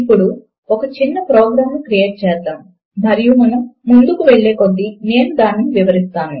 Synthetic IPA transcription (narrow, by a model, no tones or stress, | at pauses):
ipːuɽu | ɔkɐt͡ʃinːɐpɾɔːɡɾaːmnukɾije̞ːʈ̚t͡ʃɛːsd̪aːnu | nɐɾijumɐnɐmːund̪ukuʋeɭːeːkod̪ːine̞ːnud̪aːniniʋiʋɐɾist̪aːnu